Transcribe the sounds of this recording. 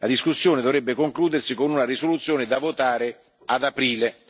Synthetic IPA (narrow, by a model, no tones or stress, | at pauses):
lad̪iskusːjoːned̪ovɾɛbːekoŋkluːd̪ersikonunaɾisolut̪sːjoːned̪avot̪aːɾe | ad̪apɾiːle